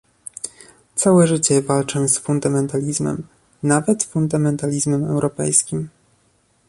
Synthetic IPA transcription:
t̪sawɛʐɘt͡ɕɛvalt͡ʂɛ̃sfund̪amɛnt̪alʲizmɛ̰m | navɛt̪fund̪amɛnt̪alʲizmɛmɛwɾɔpɛ̰jskʲim

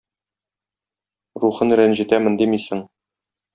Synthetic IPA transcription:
ɾuχɤnɾænʑit̪æmɘ̆nd̪imisɘŋ

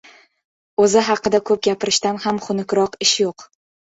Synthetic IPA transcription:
ɵzɪɦɑqːɨd̪akʰɵp̚ɡʲapɪɾɪʃt̪anhamχʊnɪkʲɾɒqɪʃjoq

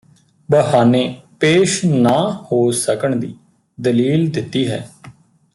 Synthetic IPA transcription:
bəɦaːnẽːpeːʃnaːhoːsəkəɳd̪iː | d̪əliːld̪ɪt̪ːiːɦɛː

